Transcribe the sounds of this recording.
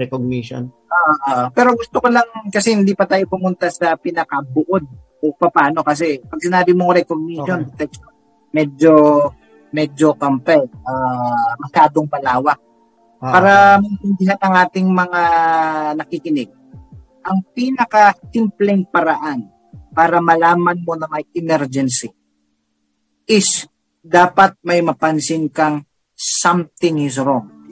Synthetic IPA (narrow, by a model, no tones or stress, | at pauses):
ɾɛkoɡ̚niʃo̰nʔoʔoʔpɛːɾo̞ɡʊst̪okolɐŋkɐsɛhɪnd̪ipɐt̪aːjopʊmʊnt̪asɐpɪnɐkɐbʊʔo̞d̪̚ | ʔopɐpaːno̞kɐs̬ɛpɐɡ̚sɪnaːbɪmoŋɾɛkoɡ̚niʃond̪ɛt̪ɛkso | mɛd͡ʒo | mɛd͡ʒo̞kɐmpɛamɐʃaːd̪oŋpɐlaːwɐk̚ | paːɾɐmɪnhɪnd̪ɪɦanɐŋʔaːt̪ɪŋmɐŋanɐkikɪnɪɡ̚ | ʔɐŋpiːnɐkɐsɪmplɛŋpɐɾɐʔan | paːɾɐmɐlaːmɐnmo̞nɐmɐjɪmɛɾd͡ʒɛnsɪ | ʔɪs | d̪aːpɐt̪̚mɐjmɐpɐnsɪŋkɐŋ | samt̪ɪŋɪs̬ɾoŋ